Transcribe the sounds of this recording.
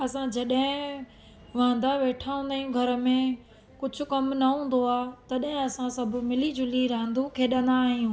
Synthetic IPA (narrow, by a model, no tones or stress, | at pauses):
ɐsãd͡ʑɐɗɦɪ̃ | ʋãːnd̪aʋeːʈʰaɦũnd̪aːijũɡʱɐɾə̆mẽ | kʊd͡ʑʱʊ̆kɐmnɐɦũːn̆d̪oaːt̪ɐɗɦɪ̃ɐsãsɐbʱʊ̆mɪlid͡ʑʊliɾãːnd̪ukʰeːɗɐ̃nd̪aːɦijũː